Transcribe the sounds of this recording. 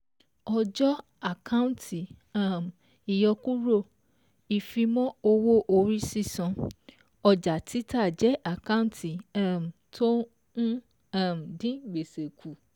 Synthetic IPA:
ɔ˧d͡ʒɔ˦ | a˨kã˦ũ˦ntʰi˨a˦˨m̩˨ | i˨jɔ˧ku˦ɾo˦˨ | i˨fĩ˧mɔ̃˦o˧wo˦ʔo˧ɾi˦si˦˨sɔ̃˧ | ɔ˧d͡ʒa˨tʰi˨˦ta˦˨d͡ʒɛ˨˦ʔa˨kã˦ũ˦tʰi˨a˦m̩˨tʰo˦ | nũ˦ | a˦˨m̩˨dĩ˦ɡ͡be˨se˨kʰu˨

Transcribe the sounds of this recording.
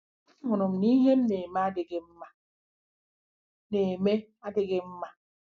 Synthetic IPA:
ŋo˨no˨m̩˨ni˦ɦe˦m˦ne˨ma˦de˨ɡe˦m̩˦ma˨ | ne˨me˦ | a˦de˦ɡe˦m̩˦ma˨

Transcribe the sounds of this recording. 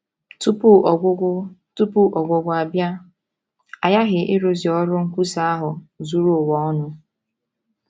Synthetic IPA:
tu˦pu˦˨ɡʷtu˦pu˦ʔɔ˨ɡʷʊ˨ɡʷʊ˨a˨bja˦ | a˨ja˦ɦɪ˨ʔɪ˦ɾo˨zi˨ɔ˦ɾʊ˦ŋ̩˦kʷu˦sa˦a˦ɦʊ˨zu˦ɾu˦o˨wɔ˦ɔ˦nʊ˦

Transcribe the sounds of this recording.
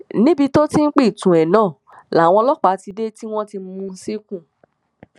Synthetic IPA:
nĩ˨˦bi˧to˦ti˦n̩˦k͡pi˦˨tũ˨ɛ˨nãː˨˦˨ | la˨w̃ɔ̃˧lɔ˦k͡pa˨˦ti˧de˦ti˦w̃ɔ̃˦ti˧˦mũ˧n̩˦si˦kũ˦˨

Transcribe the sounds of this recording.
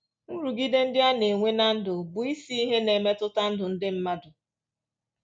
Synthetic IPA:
n̩˦ɾu˨ɡi˦de˦n̩˦dɪ˦a˦ne˨ŋʷe˦na˦n̩˦dʊ˨bʊ˨i˦si˦i˦ɦe˦ne˨me˦tʊ˦ta˦n̩˦dʊ˨n̩˦dɪ˦m̩˦ma˦dʊ˨

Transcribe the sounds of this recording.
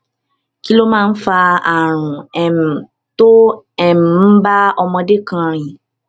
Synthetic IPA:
ki˦lo˦mãː˦˧n̩˦fa˧a˨ɾ̃ũ˨ɛ˨m̩˨ | to˦ | ɛ˦˨m̩˨˦ba˦ɔ˧mɔ̃˧de˦kã˧˨ɾ̃ĩ˨

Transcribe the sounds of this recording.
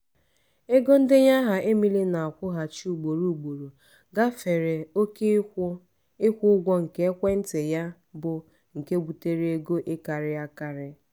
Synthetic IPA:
e˦ɡo˦n̩˦dɪ˦ɲa˦ɦa˨ʔe˦mi˦li˦na˨a˨kʷʊ˦ɦa˨t͡ʃu˨ɡ͡bo˨ɾu˨u˨ɡ͡bo˨ɾo˨ | ɡa˦fe˨ɾe˨o˦k | ɪ˦kʷʊ˦ɡʷɔ˦ŋ̩˨ke˦kʷe˦n̩˦te˨ja˦ | bʊ˨ | ŋ̩˨ke˦ɡ͡bu˨te˦ɾe˦e˦ɡo˦ʔɪ˦ka˨ɾɪ˦ja˦ka˦ɾɪ˦

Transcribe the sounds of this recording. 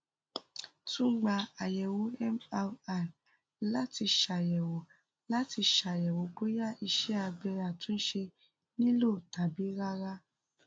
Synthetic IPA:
tũ˦ɡ͡ba˧a˨jɛ˨wo˨˦ɛ˦ma˧a˨ | la˨˦ti˧ʃa˨jɛ˨wo˨ | la˨˦ti˧ʃa˨jɛ˨wo˨˦ɡo˦ja˦i˧ʃɛ˦a˧ɡ͡bɛ˧ɾa˦˨tũ˨˦ʃe˧ | nĩ˦lo˦˨ta˨bi˨˦ɾa˦ɾa˦

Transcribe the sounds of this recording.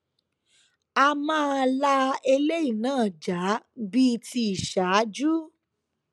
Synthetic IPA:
a˧mãː˦la˦e˧le˦i˦˨nãː˦˨d͡ʒa˨˦bi˦˧ti˧i˨ʃa˨˦d͡ʒu˦

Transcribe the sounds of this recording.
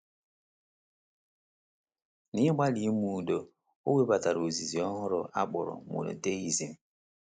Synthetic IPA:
ni˦ɡ͡ba˦li˨˦mu˨do˨ | o˦we˦ba˨ta˨ɾo˨zi˨zi˨ɔ˦ɦʊ˦ɾɔ˨ʔa̰˦ɡ͡bɔ˨ɾɔ̰˨mṵ˨no̰˨te˦i˨zi˨m˨

